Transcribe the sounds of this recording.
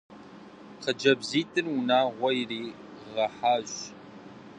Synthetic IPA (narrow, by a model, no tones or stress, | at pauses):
qəd͡ʒɐbziːtʰɨrwʊnaːʁʷɔjriː | ʁɐħaːʒ